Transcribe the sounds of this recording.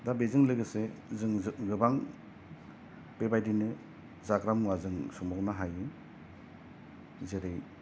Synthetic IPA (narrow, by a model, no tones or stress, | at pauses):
dabezɯŋlɯɡɯsezɯŋɡɯbaŋ | bebajdinɯ | zaɡɾamazɯŋsɔmɔknaɦajɯ | zeɾej